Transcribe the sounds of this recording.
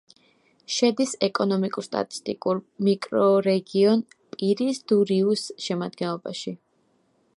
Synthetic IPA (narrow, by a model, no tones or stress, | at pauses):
ʃɛd̪isɛkʼɔnɔmikʼuɾst̪ʼa̰t̪ʼi̥st̪ʼikʼuɾmikʼɾɔɾɛɡiɔn | pʼiɾisd̪uɾiusʃɛmad̪ɡɛnlˠɔbaʃi